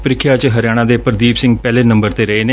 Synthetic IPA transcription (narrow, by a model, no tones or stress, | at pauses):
pəɾɪkʰːjaːt͡ʃɦəɾjaːɽ̃ãːd̪eːpəɾd̪iːbsɪ̃ŋɡpɛːleːnə̃mbəɾt̪eːɾəeːneː